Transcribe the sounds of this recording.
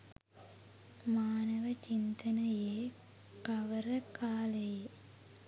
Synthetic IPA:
maːnɐʋət͡ʃint̪ɐnɐjeː | kɐʋɐɾɐkaːleje

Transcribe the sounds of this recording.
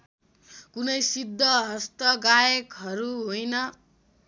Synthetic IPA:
kunʌjsid̪ʱːʌɦʌst̪ʌɡajʌkɦʌɾuɦojnʌ

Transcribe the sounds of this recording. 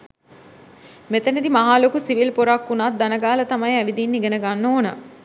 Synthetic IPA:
met̪ənid̪imaɦaːlokusiʋilpoɾakːunat̪̚d̪ɐnəɡaːlɐt̪ɐmɐjæʋid̪inːiɡenəɡanːoːnə

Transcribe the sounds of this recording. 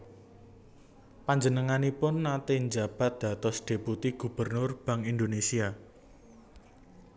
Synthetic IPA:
paɲd͡ʒənəŋanipʊnːat̪eɲd͡ʒab̥a̤t̪̚d̪̥ä̤t̪ɔsd̪̥e̤put̪iɡ̥ṳb̥ərnʊrb̥ä̤ŋind̪onesia

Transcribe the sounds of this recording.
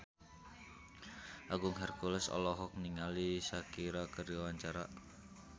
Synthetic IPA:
ʔaɡʊŋɦɛrkulɛsɔ̰lɔɦɔk̚niŋalisakiɾakəɾiwaɲt͡ʃaɾa

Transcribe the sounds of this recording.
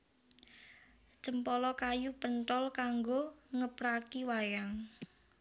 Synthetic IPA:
t͡ʃəmpɔlɔkajupənʈ̪ɔlkaŋɡoŋəpɾakiwajaŋ

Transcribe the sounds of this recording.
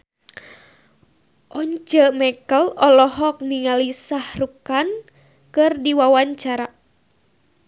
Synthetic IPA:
ʔɔɲt͡ʃəmɛkəlɔlɔɦɔk̚niŋalisahrukan | kɨrdiwawaɲt͡ʃaɾa

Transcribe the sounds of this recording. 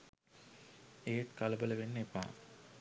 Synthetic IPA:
ejeʈ̪kalɐbələʋenːepa̰ː

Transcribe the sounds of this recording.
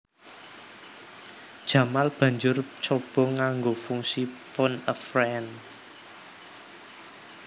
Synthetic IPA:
d̥ʒ̥ä̤malb̥ä̤ɲd͡ʒʊrt͡ʃɔb̥ɔ̤ŋaŋɡofuŋsipʊnəfrɛn

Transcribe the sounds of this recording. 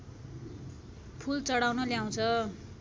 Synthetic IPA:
pʰult͡sʌɽawnʌljaw̃t͡sʰʌ

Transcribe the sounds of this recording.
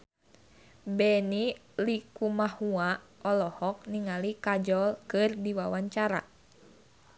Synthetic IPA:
bɛni | likumahuaɔlɔhɔk̚niŋalikad͡ʒɔlkɨrdiwawaɲt͡ʃaɾa̰

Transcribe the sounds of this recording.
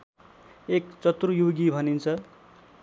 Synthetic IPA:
ekt͡sʌt̪rujoɡibʱʌnint͡sʰʌ

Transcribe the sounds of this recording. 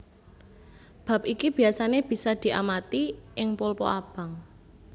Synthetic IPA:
b̥a̤p̚ikib̥i̤asaneb̥i̤sad̪̥i̤ʔa̰mat̪iʔɪŋpolpɔ̰ʔab̥a̤ŋ

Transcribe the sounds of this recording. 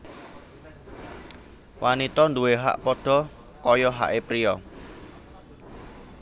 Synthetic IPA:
wʔanit̪ɔnd̪uweɦa̰ʔpɔɖ̥ɔ̤ | kɔjɔɦa̰ʔepɾiɔ

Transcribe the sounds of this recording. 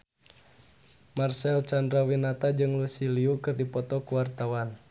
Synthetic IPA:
marsɛlt͡ʃandɾawinat̪ad͡ʒɨŋlusiliukɨrdipɔt̪ɔkuwart̪awan

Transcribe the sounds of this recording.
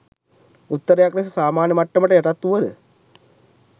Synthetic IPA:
ut̪ːɐɾɐjaːkɾɐsɐsaːmaːnjɐmɐʈːɐmɐʈːɐeʈɐt̪ːuʋɐðɨ

